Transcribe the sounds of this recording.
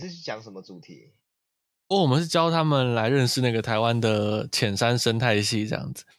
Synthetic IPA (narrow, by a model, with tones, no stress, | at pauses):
ʂɻ̩˥˧t͡ɕʰy˥˩t͡ɕjɑ˧˦ŋʂə˧˦mə˧t͡su˨˩t̪ʰḭ˨˦ | ɔ˥˩wɔ˨˩mə˦nʂɻ̩˥˩t͡ɕjɑ˥ʊt̪ʰa˥mə˨nla˧˦ɪɻə˥˧nʂɻ̩˥˧na˥˩ɡə˩t̪ʰa˨˧ɪwa˦nd̪ə˨t͡ɕʰjɛ˨˩nʂa˦nʂə˥nt̪ʰa˥˧ɪɕi˥˨ʈ͡ʂɤ˥jɑ̰˥˩ŋd͡zɹ̩˨˩